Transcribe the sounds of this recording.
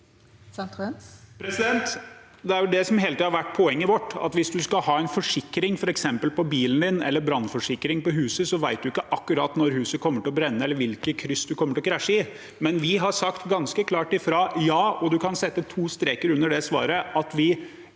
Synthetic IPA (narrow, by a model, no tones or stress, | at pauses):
pʰɾɛsɪd̪ɛnt̪ | d̪ɛæɾjd̪ɛsɔmheːlət̪iːhɑɾʋæʈ̚ːpʰɔɛŋːəʋɔʈːɑ̰t̪ʋɪsd̪ʉskɑhɑːɛɪnfɔʂɪkɾɪŋfɔɾɛksɛmpəlpɔbiːlən̩d̪ɪnɛ̰lːəɾbɾɑnːfɔʂɪkːɾɪŋpɔɦʉːsəsɔʋæɪt̪̚d̪ʉɪkːəʔɑkːʉɾɑːt̪nɔɾɦʉːsəkʰɔmːəʈɪlɔbɾɛnːəɛlːəɾʋɪlkəkʰɾʏsd̪ʉkʰɔmːəʈɪlɔkʰɾæʂəɪ | mɛnʋɪɦɑsɑkt̪ɡɑnskəkʰlɑːʈɪfɾɑːjɑːɔd̪ʉkʰɑnsɛt̪ːət̪ʰuːst̪ɾeːkəɾʉnːəɖɛsʋɑ̰ːɾəʔɑt̪ʋɪ